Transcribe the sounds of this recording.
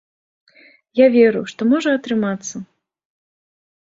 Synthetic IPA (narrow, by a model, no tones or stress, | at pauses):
javʲeɾuʂt̪ɔmɔʐɐɐt̪ɾɨmat̪sːɐ